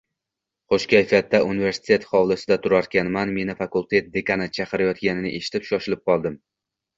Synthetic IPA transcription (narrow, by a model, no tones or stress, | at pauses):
χoʃkʲajfat̪̚ːaʔunɪve̞ɾsɪ̥t̪ʰe̞t̪χɒwlˠɪsɪd̪at̪ʰʊɾaɾ̚kʲanmanme̞nɪfakulˠt̪ʰe̞t̪̚d̪e̞kanat͡ʃʰaqɨɾajɒt̪ɡʲanɪnɪʔe̞ʃɪ̥t̪ʰɪ̥pʃɒʃɪlɪp̚qʰɒlˠd̪ɪm